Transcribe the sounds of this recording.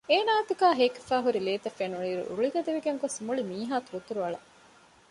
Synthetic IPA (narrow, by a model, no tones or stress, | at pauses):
eːnaːɐt̪ikaːɦeːke̥faːɦuɾileːt̪ɐfenuɭiːɾṵṵɭiɡɐd̪eʋiɡeŋɡosmuɭimiːɦaːt̪uɾut̪uɾuɐɭɐ